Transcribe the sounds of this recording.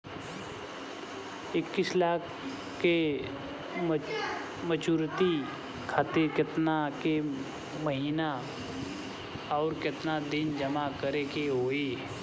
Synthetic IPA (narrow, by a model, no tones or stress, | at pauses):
ɪkːɪslaːkʰː | e | mət͡ʃuːɾt̪i | kʰaːt̪ɪɾkɪt̪nake | məɦiːna | ɔːɾkɪt̪nad̪ɪnd͡ʒəmakəɾekeɦoːeː